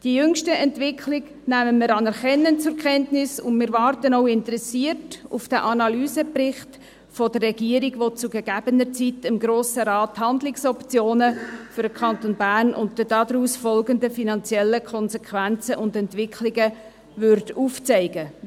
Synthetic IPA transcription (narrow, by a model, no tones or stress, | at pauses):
d̥iəjʏŋʃtəɛntvɪkʰlɪɡ | næməməɾɑnɛɾχɛnːənt͡sʊɾkʰɛntnɪsʊ̰nmɪːɾʋɑːrtənɔʊɪntɾɛsiərtufd̥æʔɑnɑlyːsəprɪχt | fɔd̥ərːɛɡiəɾiɡʋot͡suɡɛɡ̥æb̥ənəɾt͡sitɪmɡɾoːsəɾɑːthɑnd̪lɪksɔpt͡sjoːnəfʏɾdəkʰɑntonbæːrnʔʊ̰ntdəd̥ɑdɾuːsfɔlɡəndəfinɑnt͡sjɛlːəkʰɔnsɛkʰʋænt͡səʔʊndɛntʋɪkʰlɪɡə | vʏɾtuːft͡sɛɪɡə